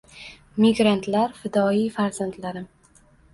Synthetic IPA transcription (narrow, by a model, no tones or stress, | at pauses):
mɪɡɾant̪ʰlaɾfɪd̪ɒifaɾzand̪laɾɪm